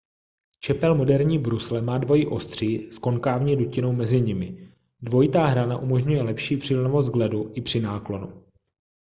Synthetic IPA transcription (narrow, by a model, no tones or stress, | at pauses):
t͡ʃɛpɛlmo̞dɛɾɲiːbɾuslɛmaːdvo̞jiʔo̞st̪r̝̥iːsko̞nkaːvɲɛducɪno̞wmɛzɪɲɪmɪ | dvo̞jɪt̪aːɦɾanaʔumo̞ʒɲujɛlɛpʃiːpr̝̥ɪlɛnovost̪ɡlɛduʔɪpr̥ɪnaːklo̞nṵ